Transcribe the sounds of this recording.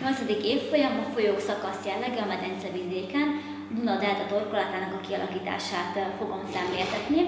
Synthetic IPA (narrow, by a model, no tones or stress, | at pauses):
ɲo̞lt̪zɛd̪ikeːfːo̞jɒmɒfo̞joːksɒkɒsjɛlːɛɡɛɒmɛt̪ɛnt̪sɛvid̪eːkɛn | d̪unɒd̪ɛːlt̪ɛt̪o̞rkolɒt̪aːnɒkɒkiɒlʔɒkiːt̪a̰ːʃaːt̪fo̞ɡo̞msɛmleːlt̪ɛt̪ni